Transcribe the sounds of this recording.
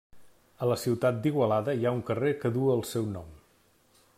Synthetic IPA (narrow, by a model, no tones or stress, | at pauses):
ələsiwt̪at̪̚d̪iɣwəlaðəiauŋkərekəðuəːlˠsɛwnɔ̰m